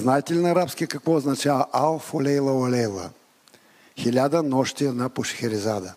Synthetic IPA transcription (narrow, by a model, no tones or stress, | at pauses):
znaɛt̪ɛlinɐɾapskiəkɐkvɔːznɐt͡ʃavɐʔalˠfolʲɛjlˠəolɛjlˠə̰ | xilʲad̪ənɔʃt̪iɛd̪napoʃxɛɾizad̪ə